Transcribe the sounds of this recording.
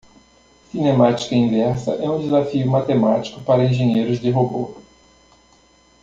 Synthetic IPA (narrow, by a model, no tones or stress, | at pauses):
sinẽmat͡ʃi̥kɐĩvɛɾsɐ̰ʔɛũd̪ezafiʊmat̪emat͡ʃi̥kʊpaɾɐẽʒẽɲejɾʊzd̪ɪɦobo